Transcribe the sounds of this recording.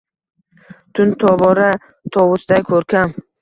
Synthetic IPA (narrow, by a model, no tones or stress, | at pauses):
t̪ʰʊnt̪ʰɒbɒɾa | t̪ʰɒwʊsd̪ajkʰɵɾkʰʲam